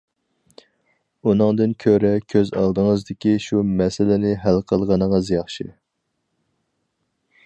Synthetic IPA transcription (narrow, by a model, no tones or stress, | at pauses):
unɨŋd̪ɨnkʲʰøɾɛkʲʰøzɑ̰lˠd̪əŋəzd̪ɪkʲiʃumɛsɪlɪnɪɦælqʰəlˠʁɑnəŋəzjɑχʃi